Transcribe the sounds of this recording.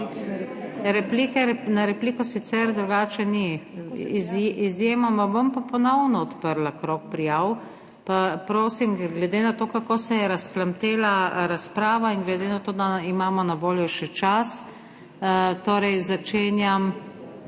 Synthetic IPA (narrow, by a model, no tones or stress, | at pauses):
ɾɛpliːkɛɾnaɾɛpliːkɔsit̪sɛɾd̪ɾuɡaːt͡ʃɛni | zizjeːmamabompapɔnɔwnɔɔt̪pəɾlakɾok̚pɾijaw | papɾoːsimɡlɛd̪enat̪oːkakoːsɛjɛɾasplamt̪eːlaɾaspɾaːʋaiŋɡlɛd̪enat̪oːd̪aimaːmɔnaʋoːljɔʃɛt͡ʃas | t̪oːɾɛjzat͡ʃeːnjam